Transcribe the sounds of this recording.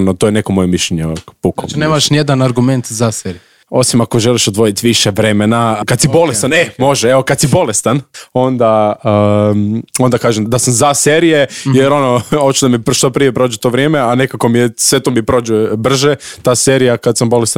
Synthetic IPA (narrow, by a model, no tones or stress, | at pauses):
not̪ojene̞komo̞jemiʃʎʲeɲepuko̰neːmaʃnijed̪anaɾɡument̪zaseɾiu | o̞simako̞ʒeliʃod̪ʋo̞jit̪ʋiʃeʋɾe̞menakad̪sibo̞lest̪anemo̞ʒeeʋokad̪sibo̞lest̪ano̞nd̪aə | o̞nd̪akaːʒemd̪asamzaseɾijejeɾo̞noot͡ɕt͡ʃud̪amipʃt̪opɾijepɾo̞ːd͡ʒut̪o̞ːʋɾijeːmeane̞kakomijesʋet̪omipɾo̞ːd͡ʒubr̩ʒet̪aːseːɾijakad̪sambo̞lest̪